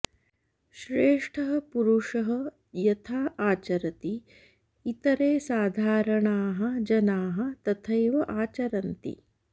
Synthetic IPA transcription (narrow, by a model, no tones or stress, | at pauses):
ʃɾeːʂʈʰɐɦɐ̆puɾuʂɐɦɐ | jɐt̪ʰaːaːt͡ʃɐɾɐt̪iː | t̪ɐɾeːsaːd̪ʱaːɾɐɳaːɦɐ̆d͡ʒɐnaːɦɐ̆t̪ɐt̪ʰɐjʋɐʔaːt͡ʃɐɾɐnt̪ḭ